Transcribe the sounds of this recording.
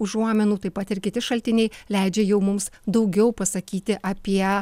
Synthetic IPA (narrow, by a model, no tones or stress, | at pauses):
ʊʒuɔːmʲɛnuːt̪ɐɪpɐt̪ɪɾkʲɪt̪ʲɪʃɐlʲt̪ʲɪnʲɛɪlʲɛɪd͡ʒʲɛjɛʊmʊmsd̪ɐʊɡʲɛʊpɐsɐkʲiːt̪ʲɪʔɐpʲiɛ